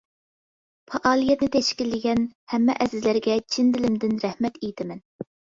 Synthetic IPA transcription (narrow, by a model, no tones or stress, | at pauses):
pʰɑʔɑːlˠijɛt̪nɪt̪ʰɛʃkʲilːɪɡʲɛnhɛmːɛʔɛzɪzlæɾɡʲɛt͡ʃʰind̪ɪlɪmd̪ɪnɾɛhmɛt̪ejt̪ʰɪmɛn